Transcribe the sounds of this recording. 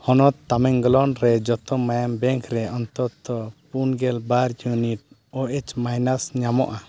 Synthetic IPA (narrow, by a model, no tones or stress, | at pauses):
hɔnɔt̪ːamɛŋɡɔlɔnɾɛd͡ʒɔt̪ɔmajambɛŋkʰɾɛɔnt̪ɔt̪ɔpunɡɛlbaɾjuniʈ̚ | ɔʔɛt͡ʃmajnasɲamɔ̰ʔa